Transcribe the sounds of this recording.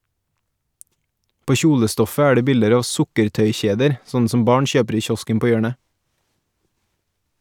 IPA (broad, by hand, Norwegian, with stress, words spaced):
ˈpoː ˈçuːləˌstɔfə ˈæː ˈɖeː ˈbɪldəɾ ˈɑː ˈʋsʊkəɾˌtœʏˌçeːdəɾ ˈsɔnn̩ ˈsɔm ˈbɑːɳ ˈçøːpɾ ˈiː ˈçɔskəm ˈpoː ˈjøːɳə